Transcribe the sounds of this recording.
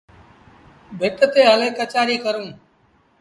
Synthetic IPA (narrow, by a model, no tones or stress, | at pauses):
bʱɪt̪ət̪eːɦəleːkət͡ʃaːɾiːkəɾũː